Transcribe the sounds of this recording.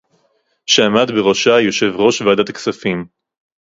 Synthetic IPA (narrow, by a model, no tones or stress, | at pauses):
ʃeamad̪beʁoʃajo̞ʃe̞vʁo̞ʃvead̪at̪aksafim